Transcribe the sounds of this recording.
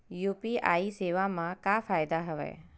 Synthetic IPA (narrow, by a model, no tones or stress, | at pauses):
juːpia̰ːiseːʋamãkaːfʰaːjd̪aɦəʋɛ̰ː